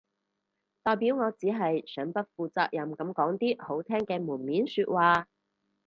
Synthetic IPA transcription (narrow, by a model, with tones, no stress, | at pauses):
t̪ɔː˨˩jpiː˨˥wŋɔː˨˧t͡siː˨˥ɦɐ˨jsœː˨˥ŋpɐ˥t̚fuː˨˧t͡sa̰ː˧k̚jɐ˨˩mkɐ˨˥mkɔː˨˥ŋt̪iː˥ho˨˥wt̪ʰɛː˥ŋkɛː˧muː˨˩nmiː˨˥nsyː˧t̚waː˨˧